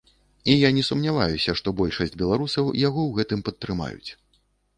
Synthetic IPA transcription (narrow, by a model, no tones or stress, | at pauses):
ijanʲɛsumnʲava̰jusʲɐʂt̪ɔbɔlʲʂɐsʲd͡zʲbʲɛlˠaɾusɐwjaɣɔwɣɛt̪ɨmpɐt̪ːɾɨma̰jṵt͡sʲ